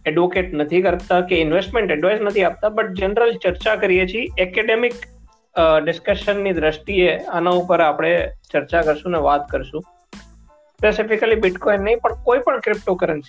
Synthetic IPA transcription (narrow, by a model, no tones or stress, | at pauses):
ɛɖʋokeʈnət̪ʰikəɾt̪akeɪnʋesʈmẽɳʈɛɖʋaiznət̪ʰiap̚t̪abəʈ̚d͡ʒənɾəlt͡ʃəɾt͡ʃakəɾijet͡ʃʰiɛkeɖemɪk | ɖɪskəʃənːid̪ɾəʃʈieanaupəɾapɽ̃et͡ʃəɾt͡ʃakəɾʃũneʋat̪kəɾʃũ | spesɪfɪkəlibɪʈkɔinːəɦĩpəɳkoipəɳkɾɪp̚ʈokəɾənsi